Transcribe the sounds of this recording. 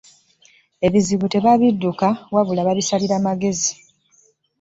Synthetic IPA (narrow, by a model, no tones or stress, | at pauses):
e̞βiziβute̞βaβidːukawaβulaβaβisaliɾamaɡe̞zi